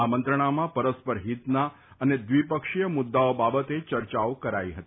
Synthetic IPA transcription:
amə̃nt̪ɾəɳ̃amãpəɾəspəɾɦit̪na | əned̪ʋipəkʃijəmʊd̪ːaobabət̪et͡ʃəɾt͡ʃaokəɾaiɦət̪

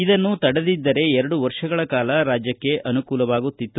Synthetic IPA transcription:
id̪ɐnːut̪ɐɽed̪id̪ːɐɾe̞ɛɾɐɽuʋɐɾʂɐɡɐɭɐkaːlɐɾaːd͡ʒjɐkːe̞ʔɐnukuːlɐʋaːɡut̪ːit̪ːu

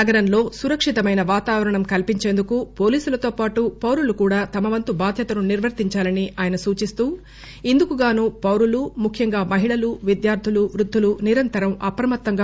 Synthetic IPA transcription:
ɐɡɐɾɐnlo̞ːsuɾɐkʂit̪ɐmɐjnɐʋaːt̪aːʋɐɾɐɳɐmkɐlpiɲt͡ʃe̞ːnd̪ukupo̞ːliːsulɐt̪o̞ːpaːʈupɐwɾulukuːɽaːt̪ɐmɐʋɐnt̪ubaːd̪ʱjɐt̪ɐnuniɾʋɐɾt̪iɲt͡ʃaːlɐniʔaːjɐnɐsuːt͡ʃist̪uː | ind̪ukuɡaːnuːpɐwɾulumukʰjɐŋɡaːmɐɦiɭɐluʋid̪jaːɾt̪ʰuluʋɾud̪ʱːuluniɾɐnt̪ɐɾɐmɐpɾɐmɐt̪ːɐŋɡaː

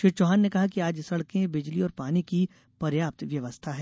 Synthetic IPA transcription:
ʃit͡ʃɔːɦaːnːekɐɦakiaːd͡ʒsɐɽkẽbɪd͡ʒliɔːɾpaːniki | pɐɾjaːp̚t̪ʋjɐʋəst̪ʰaɦɛː

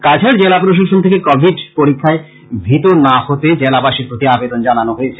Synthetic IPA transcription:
kad͡ʑʰʱeɾd͡ʑelapɾoʃ̬aʃont̪ʰekekɔbʱiɖpoɾikʰːae | bʱit̪onahot̪ed͡ʑelabaʃiɾpɾot̪iabed̪ond͡ʑananoɦoet͡ɕʰe

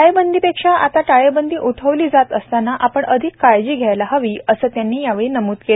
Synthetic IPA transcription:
aɭebənd̪iːpekʂaʔa̰t̪aʈaɭebənd̪iːʔut̪ʰəʋliːd͡zat̪əst̪anaʔapəɳʔəd̪ʱikːajd͡ʑiːɡʱjajlaɦəʋiːəsəːt̪janːiːjaʋeɭiːnəmuːt̪ke

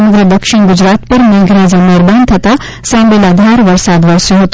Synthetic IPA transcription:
ɐməɡɾəd̪ɐkʃɪɳɡʊd͡ʒɾaːt̪̚pɐɾmẽːɡɾãd͡ʑameːɾbaːnt̪ʰɐt̪a | sãːbelaːd̪ʱaːɾʋɐɾsaːd̪ʋɐɾsjoɦoːt̪

